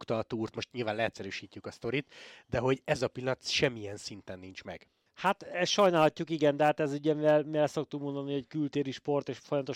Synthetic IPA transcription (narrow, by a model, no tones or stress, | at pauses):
kt̪ɒːt̪uːrt̪mo̞ʃt̪ɲilvaːnlɛɛt̪sɛɾyːʃiːcːykɒst̪o̞ɾit̪d̪ɛɦo̞ɟɛzɒpilːɒt̪ʃɛmːijɛnsint̪ɛnːiɲt͡ʃmɛ̰ɡ̥ | hat̪ɛʃɒjnaːlhɒcːukiɡɛnd̪ɛɦaːt̪ɛzyɟɛmivɛlmivɛlso̞k̚t̪ukmo̞nd̪ɒnihɛɟkylt̪eːɾiʃpo̞rt̪eːʃfojɒmɐt̪o